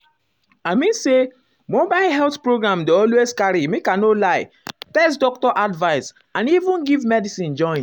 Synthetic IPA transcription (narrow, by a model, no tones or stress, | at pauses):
aɪmĩnse | mobaɪlɦɛltpɹoɡɹãmdeɔlweskaɾimikãnolaɪ | tɛsdɔk̚tɔʔadvaɪs | ãnivũnɡivmɛdisĩnd͡ʒɔ̃ɪ̃n